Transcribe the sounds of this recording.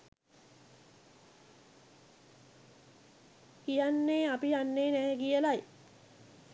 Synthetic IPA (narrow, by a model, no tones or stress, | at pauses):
kijanːeːapijanːeːnɛːɛɡijəlaj